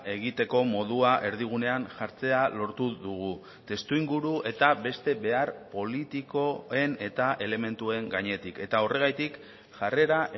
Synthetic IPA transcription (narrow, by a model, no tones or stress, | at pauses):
e̞ɣ̞it̪e̞ko̞mo̞ð̞uaʔe̞ɾðiɣ̞une̞anʝaɾt͡se̞alo̞ɾt̪uðuɣ̞u | t̪e̞st̪uiŋɡuɾue̞t̪abe̞st̪e̞βe̞aɾpo̞lit̪iko̞e̞ne̞t̪aʔe̞le̞me̞nt̪ue̞ŋɡaɲe̞t̪ike̞t̪ao̞re̞ɣ̞ajt̪ik | ʝare̞ɾa